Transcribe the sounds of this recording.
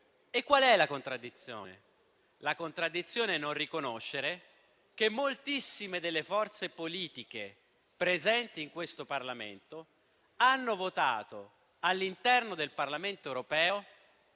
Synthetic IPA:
ekːwalɛlakont̪ɾad̪ːit̪sːjo̰ːnḛ | lakont̪ɾad̪ːit̪sːjoːneɛnːonrikonoʃːeɾe | k̟emːolt̪isːimed̪elːefɔrt̪sepoliːt̪ik̟e | pɾezɛnt̪iːŋkwest̪oparlamḛnt̪o | anːovot̪a̰ːt̪o | alːint̪ɛrnod̪elparlament̪oɛwɾopɛːo

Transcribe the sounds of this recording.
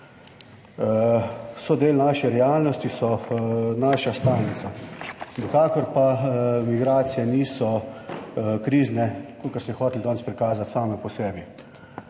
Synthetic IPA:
sɔd̪eːlnaːʃɛɾɛaːlnɔst̪isɔnaʃast̪aːlnit̪sanɛkaːkɔɾpamiɡɾaːt̪sijɛniːsɔ | kɾiːznɛkokɛɾsmɛɛxoːt̪ld̪ɔːntspɾikaːzat̪saːmɛpɔsɛːbi

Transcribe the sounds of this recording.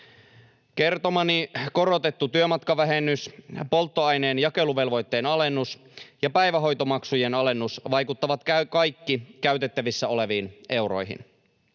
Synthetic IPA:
ke̞rt̪o̞mɑniko̞ɾo̞t̪e̞t̪ːut̪yømɑt̪kɑʋæɦenːyspo̞lt̪ːo̞ɑjneːnjɑke̞luʋe̞lʋo̞jt̪ːe̞ːnɑle̞nːus | jɑpæjʋæɦo̞jt̪o̞mɑksujenɑle̞nːusʋɑjkut̪ːɑʋɑt̪kækɑjkːikæyt̪e̞t̪ːæʋisːæo̞le̞ʋiːnʔe̞wɾo̞̰jɦḭn

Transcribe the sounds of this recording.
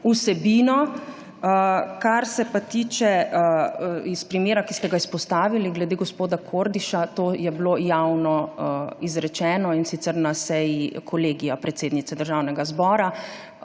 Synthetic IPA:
usɛbiːnɔ | kaɾsɛpat̪iːt͡ʃɛ | ispɾimeːɾakist̪ɛɡaispɔst̪aːʋiliɡlɛd̪eːɡospoːd̪akʰoɾd̪iʃat̪oːjɛblojawnɔizɾɛt͡ʃɛːnɔinsit̪ɛɾnasɛjikʰɔleːɡijapɾɛt̪seːd̪nit̪sɛd̪əɾʒawnɛɡazbɔːɾa

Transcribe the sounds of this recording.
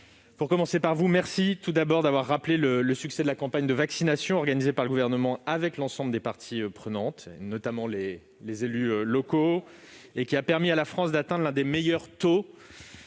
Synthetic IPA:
puʁkɔmɑ̃sepaʁvumɛʁsit̪ud̪abɔʁd̪avwaʁːaplelələsyksɛd̪əlakɑ̃paɲd̪əvaksinasjɔ̃ɔʁɡanizepaʁləɡuvɛʁnəmɑ̃avɛklɑ̃sɑ̃bləd̪epaʁt̪ʰiøpχənɑ̃t̪enɔt̪amɑ̃le | lezelyølɔko | ekʲiapɛʁmialafχɑ̃sd̪at̪ɛ̃d̪ʁlɛ̃d̪emejœʁt̪o

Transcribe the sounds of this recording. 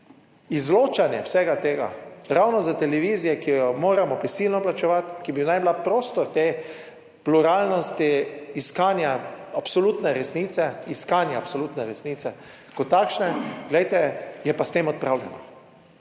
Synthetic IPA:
izloːt͡ʃanjɛwsɛɡat̪eːɡa̰ɾawnɔzat̪ɛlɛʋiːzijɛkijɔmoːɾamɔpɾɛsilnɔplat͡ʃɛʋat̪kibinajblapɾoːst̪ɔɾt̪eː | pluɾaːlnɔst̪iːskaːnjaapsɔluːt̪nɛɾɛsnit̪sɛiskaːnjaːpsoluːt̪nɛɾɛsniːt̪sɛ | kɔt̪ːakʃnɛɡlɛjt̪ɛjɛpast̪eːmɔt̪̚pɾawlɛnɔ̰

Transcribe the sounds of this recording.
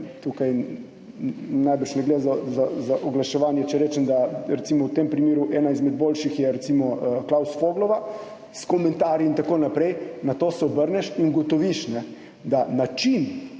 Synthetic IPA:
t̪uːkaj | najbəɾʃnɛɡleːd̪zazazaʔɔɡlaʃɛʋaːnjɛt͡ʃɛɾɛːt͡ʃɛmd̪aɾɛt̪simɔwt̪empɾimeːɾuʔɛːnaizmɛd̪̚boːlʃixjɛɾɛt̪simɔklawsfoːɡlɔʋa | skɔmɛnt̪aːɾjiint̪akoːnapɾɛjnat̪oːsɛɔbəɾnɛʃiŋɡɔt̪ɔʋiʃnɛ | d̪anat͡ʃin

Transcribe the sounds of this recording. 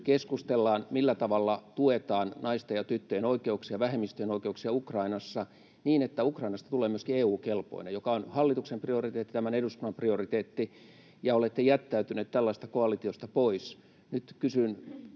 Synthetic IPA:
keskust̪elːɑːnmilːæt̪ɑʋɑlːɑt̪uet̪ɑːnnɑist̪ɑjɑt̪yt̪ːøjenoikeuksiɑʋæhemːist̪øjenoikeuksiɑukrɑinɑsːɑ | niːnet̪ːæukrɑinɑst̪ɑt̪uleːmyøskieːuːkelpo̰inejokɑonhɑlːit̪uksempriorit̪eːt̪ːit̪æmæneɾust̪unːɑmpriorit̪eːt̪ːi | jɑolet̪ːejæt̪ːæyt̪yneːt̪t̪ælːɑist̪ɑ̥koɑlit̪iost̪ɑpois | nyt̪kysyn

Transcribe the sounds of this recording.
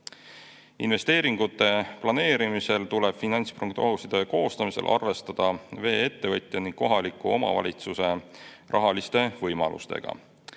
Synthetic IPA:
inve̞st̪e̞ːɾiŋɡ̥ut̪ːe̞plɑne̞ːɾimise̞lt̪ule̞b̥finɑnʲt̪spruŋkt̪o̞ɦusid̪̥e̞ko̞ːst̪ɑmise̞̰lʔɑ̰rve̞st̪ɑd̪̥ɑve̞ːe̞t̪ːe̞vɤt̪ʲˑjɑniŋɡ̥ko̞ɦɑlikːˑuo̞mɑ̰vɑ̰lʲit̪suse̞rʔɑɦɑlist̪e̞vɤjmɑlʔṵst̪e̞̰ɡ̥ɑ̰

